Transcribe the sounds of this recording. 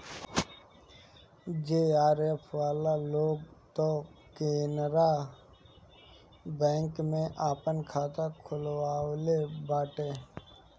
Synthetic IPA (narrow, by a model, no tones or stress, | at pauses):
d͡ʒeːaːɾepʰʋaːlaloːɡt̪okeːnɾa | bɛ̃ːŋkmẽʔaːpənkʰaːt̪akʰʊlwaːlebaːʈeː